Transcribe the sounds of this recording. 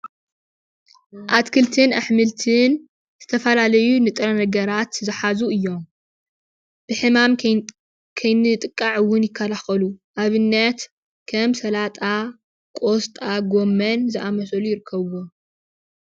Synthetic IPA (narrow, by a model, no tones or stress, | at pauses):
ʔat̪kʰɨlt̪ʰɨnaħmɨlt̪ʰɨn | z̥ɨt̪ʰɐfɐlalɐjunɨt̪ʼɾɐnɐɡɐɾat̪zɨħazuɨjːo̞m | b̥ɨħɨmam | kʰɐjnɨt̪ʼɨkʼːaʕwʊnjɪkʰːɐlaxɐluʔaβɨnːɐt̪ | kʰɐmsɐlat̪ʼa | kʼost̪ʼaɡo̞mːɐnzɨʔamɐsɐlujɪɾɨkʰːɐβwo